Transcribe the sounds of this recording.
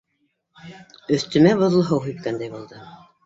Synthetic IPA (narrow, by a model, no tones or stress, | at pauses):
ɵ̆θt̪ɵ̆mæbŏðlˠɤ̆ɦɤwɦit̪̚kænd̪æjbulˠd̪ɤ